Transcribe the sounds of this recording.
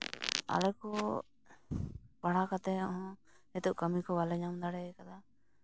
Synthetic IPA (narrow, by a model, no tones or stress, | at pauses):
a̰lɛkɔ | baɽakat̪ɛɔɦɔ̃ | ɛt̪uʔkəmikɔbalɛɲamd̪aɽɛkad̪a